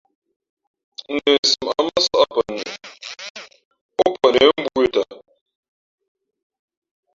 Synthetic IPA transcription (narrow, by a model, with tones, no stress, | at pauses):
e˨si˨m˨a̰˨ma˦sɔ˦a˨pə˨ni˨ | ʊ˦pʰə˨ne˨˦m̩˦bu˦i˦ta˨